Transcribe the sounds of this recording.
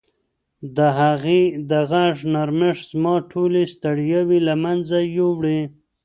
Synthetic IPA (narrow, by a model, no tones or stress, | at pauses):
d̪əɦaɣed̪əɣaʐnaɾmɪʂzmɑʈʰolest̪aɽjawilamanzajowɽe